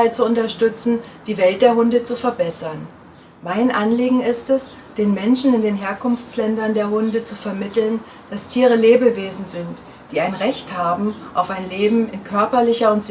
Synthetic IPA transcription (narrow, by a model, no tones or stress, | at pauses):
aɪt͡suʊntɐʃtʏt͡sn̩d̥iːvɛlt̚d̥eːɐɦʊndət͡sufɛɐbɛsɐn | maɪnʔanliːɡŋ̩ɪstɛs | d̥eːnmɛnʃn̩ɪndeːnɦeːɐkʊnft͡slɛndɐndeːɐɦʊndət͡sufɛɐmɪtl̩n | d̥astʰiːʁ̞əleːbəveːzn̩zɪnt | d̥iːaɪnʁɛçthaːbm̩ʔaʊfaɪnleːbm̩ɪnkʰœɐpɐlɪçɐʊntz̥